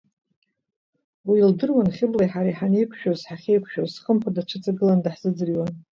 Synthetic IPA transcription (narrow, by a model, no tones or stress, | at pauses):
wiːldɨrwanχʲɪblajħaɾajħanejkʷʰʃᶣozħaχʲejkʷʰʃᶣozsχəmpʷʰadaʈ͡ʂʷʰɨt͡sʼaɡɨlandaħz̥ɨd͡zɨriwan